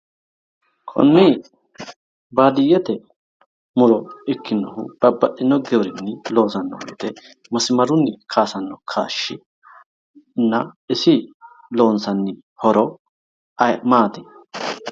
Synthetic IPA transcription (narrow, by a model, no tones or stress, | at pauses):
kʼɔ̰nːi | baːd̪ɪjːɛt̪ɛ | mʊɾɔɪkːɪnːɔ̰hʊ̰b̥ɐbːɐʔɪnːɔɡɛɾɪnːɪlo̞ːsɐnːɔ̰w̰jt̪ɛ | mɐsɪmɐɾʊnːɪkʰaːsɐnːɔkʰa̰ːʃːɪ | nːɐɪsɪ | lo̞ːnsɐnːɪ | hɔɾɔ | ɐjmaːt̪ɪ